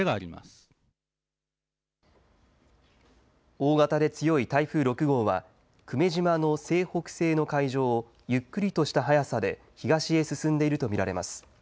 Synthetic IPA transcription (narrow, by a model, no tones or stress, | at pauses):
eɡaːɾʲima̰sɨ̥ | o̞ːɡat̪ad̪e̞t͡sɨjo̞it̪aiɸɯ̟ːɾo̞kɯ̟ɡo̞ːβa̰ | kɯ̟me̞ʑimano̞se̞ːho̞kɯ̟̥se̞ːno̞kaiʑo̞ː | jɯ̟kːɯ̟ɾʲit̪o̞ɕi̥t̪aɦajasad̪e̞ | çiɡaɕie̞sɨsɨ̃nd̪e̞iɾɯ̟t̪o̞mʲiɾaɾe̞masɨ̥